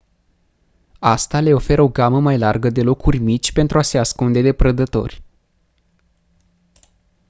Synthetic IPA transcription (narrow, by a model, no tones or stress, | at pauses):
ast̪ale̞o̞fe̞ɾəo̞ɡaməmajlarɡəd̪e̞lo̞kurʲmit͡ʃʲpe̞nt̪ɾuase̞askund̪e̞d̪e̞pɾəd̪ət̪o̞̰rʲ